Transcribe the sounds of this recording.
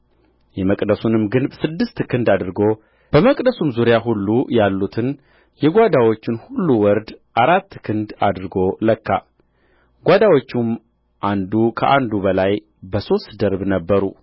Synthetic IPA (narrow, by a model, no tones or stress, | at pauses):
jɛməkʼd̪əsunɨmɡɨnbsɨd̪ːɨst̪kʰɨnd̪ad̪ɨɾɡo̞ | b̥əməkʼd̪əsumzuɾjaɦulːujalːut̪ʰɨn | jɛɡʷad̪awo̞t͡ʃːɪnhulːuwɔɾd̪ʔaɾat̪ːkʰɨnd̪ad̪ɾɡo̞ləkːa̰ | ɡʷad̪awo̞t͡ʃːum | ʔand̪ukʰəʔand̪ubəlaj | bəso̞st̪d̪əɾbnəbːəɾṵ